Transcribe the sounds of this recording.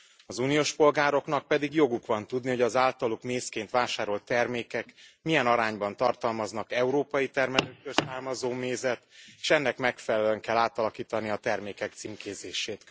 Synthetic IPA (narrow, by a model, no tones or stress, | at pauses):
ɒzunijoːʃpo̞lɡaːɾo̞kn̪ɒk̚pɛd̪iɡjo̞ɡukʋɒnt̪ud̪niɦo̞ɟɒzaːlt̪ɒlukmeːskeːnt̪ʋaːʃaːɾo̞lt̪ːɛrmeːkɛkmijɛnɒɾaːɲbɒnt̪ɒrt̪ɒlmɒznɒkɛuɾoːpɒjit̪ɛrmɛløːkkːørsaːrmɒzoːmeːzɛt̪e̥ːʃɛnːɛkmɛkfɛlɛløɛŋkɛlːaːt̪ɒlɒkiːt̪ɒniɒt̪ɛrmeːkɛk̚t̪siŋkeːzeːʃeːt̪